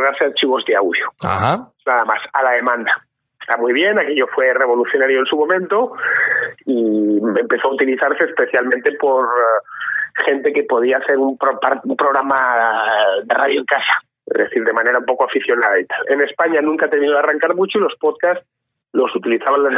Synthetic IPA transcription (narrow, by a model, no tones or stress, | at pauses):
ɣaɾseaɾt͡ʃiβ̞o̞zðea̰wðjoa̰anaðamasa̰laðe̞mãnd̪a | est̪amijβ̞je̞nake̞ʎo̞fwe̞re̞β̞o̞luθjonaɾjoensumõ̞mẽ̞nt̪o̞ | ie̞mpe̞θoaut̪iliθaɾse̞ːspe̞θjalmẽnt̪e̞po̞ɾ | χe̞nt̪e̞ke̞po̞ð̞iaːθe̞ɾumpɾopaumpɾo̞ɣ̞ɾama | ðerað̞joeŋkasḁ | ḛzðe̞θiɾðe̞mãne̞ɾaumpo̞koafiθjo̞naðait̪ale̞ne̞spaɲanũŋkat̪enminoaraŋkaɾmut͡ʃoilo̞spoðkas | lo̞sut̪iliθaβanlas